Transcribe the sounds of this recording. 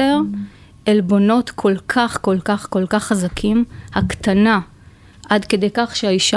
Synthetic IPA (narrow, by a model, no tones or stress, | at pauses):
eʁ | elbo̞no̞tkʰo̞lkʰaχko̞lkaχko̞lkaχːazakʰimhaktana | ʔadkede̞jkaχʃeaiʃa